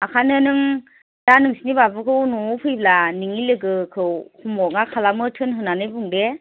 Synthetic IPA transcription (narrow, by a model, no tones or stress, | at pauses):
akʰanɯnɯŋ | d̥anɯŋsinibabɯkʰɯwnɔpʰɯjb̚laniŋilɯɡɯkʰɯwhumɔŋakʰalamɯtʰɯnɦɯnːanɯjbɯŋde